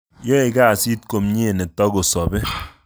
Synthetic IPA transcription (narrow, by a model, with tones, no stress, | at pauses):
je˦˨ka˦˨si˦t̚ko˨mɲe˦˨ne˨tɔ˦ɡo˨sɔ˨be˦